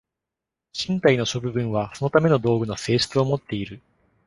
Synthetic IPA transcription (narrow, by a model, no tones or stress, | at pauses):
ɕĩnt̪aino̞ɕo̞bɯ̟bɯ̟̃ɰ̃βaso̞no̞t̪ame̞no̞d̪o̞ːɡɯ̟no̞se̞ːɕi̥t͡sɨo̞mo̞t̪ːe̞iɾɯ̟